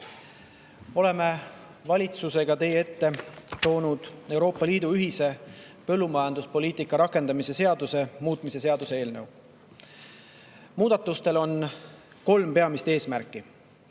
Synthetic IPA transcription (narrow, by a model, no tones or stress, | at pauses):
o̞le̞me̞ | vɑlʲit̪suse̞ɡ̥ɑt̪e̞jee̞t̪ːe̞t̪o̞ːnud̪̥e̞wɾo̞ːpːˑɑliːd̪uyɦise̞ | pɤ̞lːumɑjɑnd̪uspo̞lʲiːt̪ˑikːˑɑɾɑkːˑe̞nd̪ɑmise̞se̞ɑd̪̥use̞muːt̪ˑmise̞se̞ɑd̪̥use̞e̞ːlne̞w | muːd̪̥ɑt̪ːˑust̪e̞lo̞n | ko̞lmpe̞ɑmist̪e̞ːsmæɾkːˑi